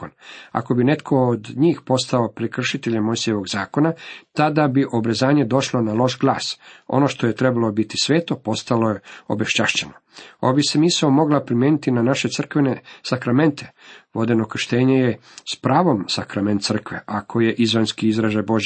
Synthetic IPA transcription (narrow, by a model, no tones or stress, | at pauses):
ona̰ko̞bine̞t̪kʰo̞ːd̪ɲiːxpo̞st̪aopɾekr̩ʃit̪eʎemosijeʋo̞ɡzaːko̞nat̪ad̪abiʔo̞bɾezaːɲe̞d̪o̞ʃlonalˠo̞ʃɡlˠa̰ːso̞̰no̞ʃt̪o̞jet̪ɾebalo̞bit̪isʋeːt̪o̞po̞st̪alo̞je̞o̞̰beʃt͡ɕaʃt͡ɕenoobisemisaomo̞ɡlapɾimjeːnit̪inanaʃe̞t̪sr̩kʋenesakɾame̞nt̪ʰe̥ʋo̞d̪e̞nokr̩ʃt̪eːɲeje | spɾaːʋo̞msakɾame̞nt̪sr̩kʋeʔakʰo̞je̞ʔizʋanskiizɾaʒaboʒ